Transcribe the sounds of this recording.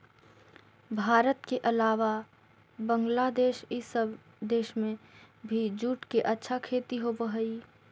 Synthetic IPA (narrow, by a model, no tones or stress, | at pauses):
bʱaːɾət̪keʔəlaːʋa | bə̃ŋɡlad̪eːʃɪsəb | d̪eːʃmẽ | bʱid͡ʒuːʈkeʔətːʃʰakʰeːt̪iɦobəɦəi